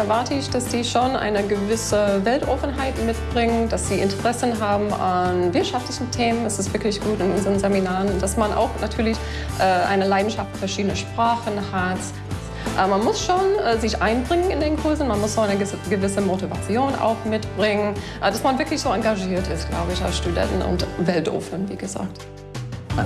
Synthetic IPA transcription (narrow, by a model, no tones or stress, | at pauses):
ʔɛɐvaɐtʰəɪçd̥asd̥iːʃoːnʔa̰ɪnəɡəvɪsəvɛltʔɔfn̩ɦaɪtmɪtb̥ʁɪŋənd̥asz̥iːʔɪ̰ntʰəʁɛsən̩ɦaːbm̩anvɪɐtʃaftlɪçn̩tʰeːmənɛsɪstv̥ɪɐklɪçɡ̥uːtɪnʊnzəʁənzeminaːʁənʊnd̥asmanʔa̰ʊxnatʰyːɐlɪç | ʔɛːʔa̰ɪnəlaɪdn̩ʃaftfɛɐʃiːdənəʃpʁ̥aːχənhat | ʔɛːmanmʊsʃoːnɛːzɪçʔaɪnbʁɪŋənɪndeːnkʰʊɐzn̩manmʊsz̥oːaɪnə | ɡəvɪsəmotiva̰t͡sjoːnʔa̰ʊxmɪtb̥ʁɪŋənʔd̥asmanvɪɐklɪçz̥oːaŋɡaʒiːɐtɪstɡ̥la̰ʊbəɪça̰ʊsʃtudɛ̰ntn̩ʊ̰ntvɛltʔo̰ːfnənvḭːɡəza̰ːk̚t